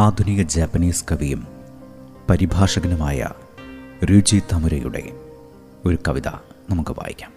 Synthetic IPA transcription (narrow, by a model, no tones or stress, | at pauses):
aːd̪ʱunijɐd͡ʑɐːpːɐniːskɐʋijum | pɐɾibʱaːʂɐɡɐnɐmaːjɐ̰ | riːd͡ʑit̪ɐmuɾɐjṵɽe̞̰ | o̞ɾukɐʋiðɐ̰nɐmukːuba̰ːjḭkʲːaːm